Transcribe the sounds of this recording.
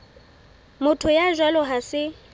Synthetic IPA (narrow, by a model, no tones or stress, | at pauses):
mʊtʰʊjaʒwalɔɦasɪ